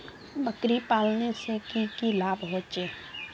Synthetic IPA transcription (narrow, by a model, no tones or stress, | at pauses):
bəkɾipaːlnesekikilaːbɦoːt͡ʃeː